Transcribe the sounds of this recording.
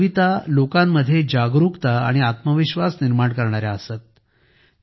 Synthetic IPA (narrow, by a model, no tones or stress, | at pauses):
ʋit̪alokãmːəd̪ʱːjed͡ʑaɡɾukt̪aa̰ɽ̃iat̪məʋiɕʋasniɾmaɳkəɾɳ̃aɾjaəset̪̚